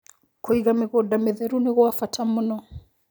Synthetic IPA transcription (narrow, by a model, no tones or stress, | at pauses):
koiɣamɪɣɔdamɛðɛɾunɪɣɔafatʰamunɔ